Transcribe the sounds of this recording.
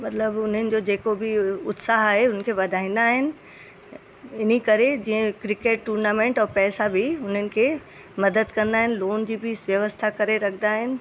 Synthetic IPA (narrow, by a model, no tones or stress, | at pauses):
mɐt̪ləbʊn̤ənɪ̆d͡ʑod͡ʑeːkobɪʊt̪saɦaːɦeʊnəkʰeːʋɐd̪ʱaːĩːn̆d̪aːɦɪnɪ̆ | ɪn̤ikɐɾed͡ʑĩːə̃kɾɪkeːʈːuːɾnaːmẽːɳʈɔːɾpɛːsabɪʊn̤ənɪ̆kʰeː | mɐd̪əd̪kɐ̃nd̪aːɦɪnɪ̆loːnd͡ʑiːbɪsʋjɐʋəst̪ʰakɐɾeɾɐkʰnd̪aːɦɪnɪ̆